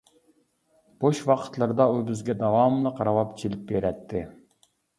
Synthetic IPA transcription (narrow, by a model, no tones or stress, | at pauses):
b̥oʃwɑqʰə̥t̪lˠɨɾd̪ɑubɪzɡʲɛd̪ɑwɑmlˠəqɾɑwɑpt͡ʃʰilɪp̚beɾɛt̪ʰːɪ